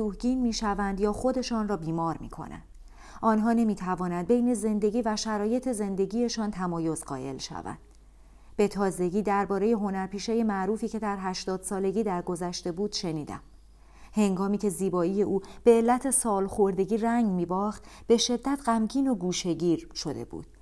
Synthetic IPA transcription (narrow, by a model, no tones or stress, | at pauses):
uːhɟiːnmiːʃævænd̪jɒːxo̞d̪e̞ʃɒːnrɒːbiːmɒːɾmiːkʰo̞̰næ̰nd̪ | ɒːnɦɒːne̞miːt̪ʰævɒːnænd̪̚bejne̞ze̞nd̪e̞ɟiːvæʃæɾɒːje̞t̪ʰe̞ze̞nd̪e̞ɟiːje̞ʃɒːnt̪ʰæmɒːjo̞zɢɒ̰ːje̞̰lʃæ̰væ̰nd̪̥ | b̥e̞t̪ʰɒːze̞ɟiːd̪æɾbɒːɾe̞je̞ɦo̞næɾpiːʃeje̞mæʔɾuːfiːcʰe̞d̪æɾɦæʃt̪ɒːd̪̥sɒːle̞ɟiːd̪æɾɡo̞zæʃt̪e̞buːd̪̥ʃe̞niːd̪æ̰m | he̞ŋɡɒːmiːcʰe̞ziːbɒːiːje̞ʔuːb̥e̞ːlːæt̪ʰe̞sɒːlxo̞ɾd̪e̞ɟiːræŋɡmiːbɒːxt̪ | b̥e̞ʃe̞d̪ːæt̪ʰɢæmcʰiːno̞ɡuːʃe̞ɟiːɾʃo̞d̪e̞̰bṵːd̪̥